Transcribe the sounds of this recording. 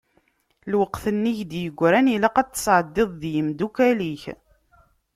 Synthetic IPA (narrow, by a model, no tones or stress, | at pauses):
lwəqθənːiçd̪jəɡʷːɾænilæqæt͡s̪ːə̥sˤʕəd̪ːeðˤðjəmd̪ukæliç